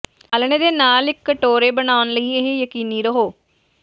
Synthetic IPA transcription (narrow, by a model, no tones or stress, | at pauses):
əlneːd̪eːnaːlɪkːəʈoːɾeːbənaːʊnləiːɪɦejəkiːniːɾəɦoː